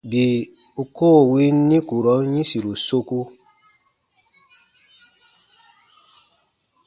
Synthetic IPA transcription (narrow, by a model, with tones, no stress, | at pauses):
bi˨ | u˧koː˦˨wi˦n˦nĩ˦ku˨ɾɔ˨˦ɲĩ˦si˨ɾu˨so˧ku˦